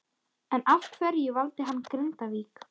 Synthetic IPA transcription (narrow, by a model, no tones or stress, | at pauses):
ɛnafkʰvɛɾjɪvalt̪ɪɦanːkɾɪnt̪aviːk